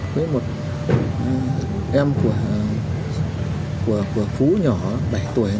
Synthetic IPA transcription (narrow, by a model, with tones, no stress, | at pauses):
kwe˨˦jmo˨˩t̚ | ʔɛ˧mku˧˩ə | ku˧˩əku˧˩əfu˨˦ɲɔ˧˩˦ɓa˧˩jt̪u˧˩əj